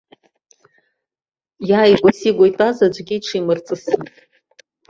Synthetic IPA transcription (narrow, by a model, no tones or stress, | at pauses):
jaːjɡʷasiɡʷojtʼazad͡ʒʷɡʲiʈ͡ʂʰimɨrt͡sʼɨsɨn